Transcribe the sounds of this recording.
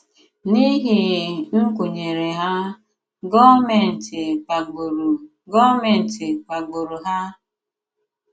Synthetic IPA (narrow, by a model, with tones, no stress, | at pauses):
ni˦ɦi˦˨ŋ̩˦kʷo˨ɲe˨ɾe˨ɦa˦ | ɡɔ˦me˨n̩˨tɪ˨ɾ | ɡɔ˦me˨n̩˨tɪ˨k͡pa˨ɡ͡bo˨ɾu˨ɦa˦